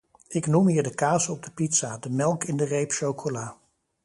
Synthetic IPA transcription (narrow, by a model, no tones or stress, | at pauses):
ɪknumɦiːɹdəkaːsəɔb̚dəpitsadəmɛlˠkɪndərejpʃowkʰolaː